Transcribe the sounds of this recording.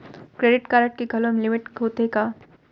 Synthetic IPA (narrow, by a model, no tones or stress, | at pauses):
kɾeːɖɪʈkaːɾəʈ̚keɡʱɐlomlɪmɪʈɦoːt̪eka